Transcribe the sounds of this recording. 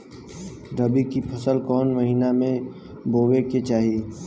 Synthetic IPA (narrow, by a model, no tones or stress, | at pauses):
ɾəbikipʰɐsəlkɔːnməɦiːnamẽ | boːɡeket͡ʃaːɦie